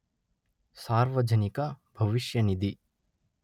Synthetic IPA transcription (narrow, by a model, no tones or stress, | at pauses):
saːɾʋɐd͡ʒɐnikabʱɐʋiʃjɐnid̪i